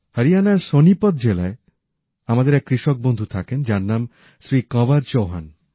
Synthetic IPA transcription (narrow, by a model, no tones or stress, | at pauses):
həɾianaɾsonipɔd̪̚d͡ʑelae | amad̪eɾɛkːɾiʃɔk̚bond̪ʱut̪ʰakend͡ʒaɾnam | sɾikɔbaɾd͡ʑoɦan